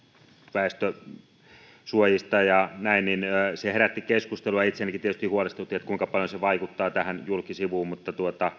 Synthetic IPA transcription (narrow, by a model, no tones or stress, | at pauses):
ʋæˑest̪ø | suojist̪ɑjɑnæinninːseheɾæt̪ːikeskust̪eluɑit̪seænikit̪iet̪yst̪ihuolest̪ut̪ːiet̪kuiŋkɑpɑljoseʋɑikut̪ːɑːt̪æhænjulkisiʋuːmmut̪ːɑt̪uot̪ɑ